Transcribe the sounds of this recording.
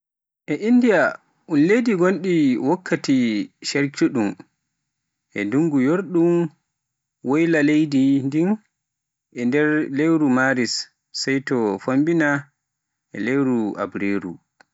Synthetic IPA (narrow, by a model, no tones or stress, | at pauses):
ʔɛʔindija | ʔunlejdiɡonɗiwɔkʰːatiʃɛɾt͡ʃuɗum | ʔɛ̰duŋɡujoɾɗum | wojlalejdindin | ʔɛndɛɾlewɾumaɾisː | ajtɔfombina | ʔɛ̰lewɾua̰bɾeɾṵ